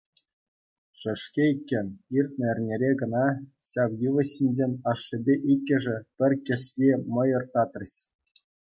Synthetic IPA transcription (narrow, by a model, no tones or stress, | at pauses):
ʂɘ̆ʂkʲeikʲːɘ̆nʲirt̪̚ʲnʲɘ̆ɘ̆rʲnʲeɾʲeɡɤ̆nɑɕɑʋjɯʋɤ̆ɕinʲd͡ʑenʲɑʂːɘ̆bʲeʔikʲːɘ̆ʐɘ̆pʲɘ̆rʲkʲɘ̆sjemɤ̆jɤ̆rt̪ɑt̪rɤ̆ɕ